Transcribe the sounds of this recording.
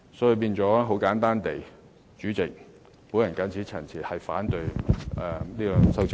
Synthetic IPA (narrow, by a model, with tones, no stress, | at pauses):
sɔː˨˥i˨˧p̬iː˧nt͡ʃɔː˨˥ɦo˨˥wkaː˨˥nt̪aː˥nt̪e˨j | t͡ʃyː˨˥t͡sɪ˨k̚ | po˨˥jɐ˨˩nkɐː˨˥nt͡sʰiː˨˥t͡sʰɐ˨˩t͡sʰiː˨˩hɐ˨jfa̰ː˨˥nt̪ɵ˧ɥɛː˨˩niː˥kɔ˧sɐ˥wt͡s